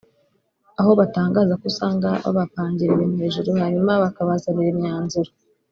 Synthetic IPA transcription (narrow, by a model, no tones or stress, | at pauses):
aho̞βataːŋɡaːzakusaːŋɡaβa̰βapaːɲɟiɾiɾemheːʒuɾohaɲumaβakaβazaβiɾemɲaːnzuɾa